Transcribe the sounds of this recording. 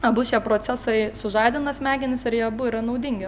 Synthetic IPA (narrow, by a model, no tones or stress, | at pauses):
ɐbʊʃʲiɛpɾoːt͡s̪ʲæsɐɪsʊʒɑɪd̪ʲɪnɐsmʲæːɡʲɪnʲɪsɪɾjiɛbuiɪɾɐnɐʊd̪ʲɪŋʲɡʲɪ